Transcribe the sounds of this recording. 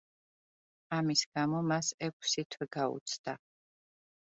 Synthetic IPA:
amisɡ̥amɔmasɛk̚ʷʰsit̪ʰwɛɡaṵt̪sʰd̪̥a

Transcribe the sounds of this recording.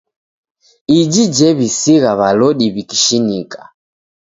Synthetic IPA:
id͡ʒid͡ʒɛβisiɣaβalɔɗiβiki̥ʃinikḁ

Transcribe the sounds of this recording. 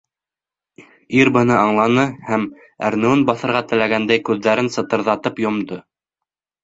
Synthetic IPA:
iɾbɤ̆nɤɑɴlˠɑnɤhæm | æ̰ɾnɘwɘnbɑθɤ̆ɾʁɑt̪ɘ̆læɡænd̪æjkʉðːæɾɘnsɤ̆t̪ɤ̆ɾðɑt̪ɤpjŏmd̪ɤ

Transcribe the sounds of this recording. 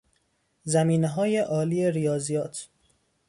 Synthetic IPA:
zæmiːneɦɒːje̞ʔɒːliːeɾijɒːzijɒːt̪ʰ

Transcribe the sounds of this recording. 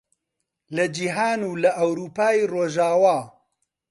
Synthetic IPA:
lɐd͡ʒiɦaːnuːlɐʔɐwɾuːpaːiroːʒaːwaː

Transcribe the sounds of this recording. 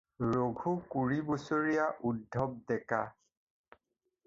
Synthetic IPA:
ɹoɡʱukuɹibusoɹijaʔudʱːɔb̚dɛka

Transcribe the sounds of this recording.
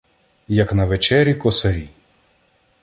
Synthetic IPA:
jɐknɐʋet͡ʃɛɾʲikɔsɐɾʲi

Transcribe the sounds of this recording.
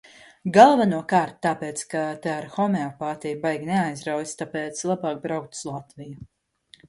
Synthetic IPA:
ɡalˠvanuɔkaːɾt̪ːaːpeːt̪skat̪eaɾxɔmɛɔpaːt̪ijbajɡneajzɾawjist̪apeːt̪slˠabaːk̚bɾawk̚t̪slˠat̪viju

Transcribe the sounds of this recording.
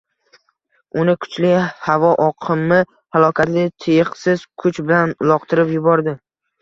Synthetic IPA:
ʊnɪkʰʊ̥t͡ʃlɪhavɒʔɒqʰɨmːɪ | halˠɒkʲʰat̪lɪt̪ʰejɪqsɪz̥kʰʊt͡ʃbɪlanʊlˠɒqt̪ʰɪɾɪpjʊbɒɾd̪ɪ

